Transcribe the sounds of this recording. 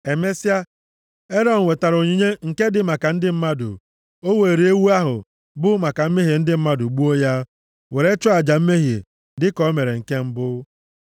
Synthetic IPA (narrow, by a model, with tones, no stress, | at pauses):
e˨me˦sja˦ | e˦ɾɔ˦n̩˨we˨ta˨ɾo˨ɲi˦ɲe˦ŋ̩˨ke˦dɪ˨ma˨ka˨n̩˦dɪ˦m̩˦ma˦dʊ̰˨ | o˦we˨ɾe˦wu˦a˦ɦʊ̰˨ | bʊ˦ma˨ka˨m̩˦me˦ɦe˨n̩˦dɪ˦m̩˦ma˦dʊ˨ɡ͡bu˦o˦ja˦ | we˨ɾe˦t͡ʃʊ˦a˨d͡ʒa˨m̩˦me˦ɦe˨ | dɪ˦kɔ˨˦me˨ɾe˨ŋ̩˨ke˦m̩˦bʊ˦